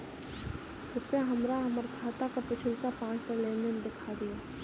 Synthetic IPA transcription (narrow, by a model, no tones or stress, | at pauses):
ɾʊpaɦɐmɾaɦɐməɾkʰaːt̪akapɪt͡ʃʰɪlkapãːt͡ʃd̪eleːend̪ɪkʰad̪ijaː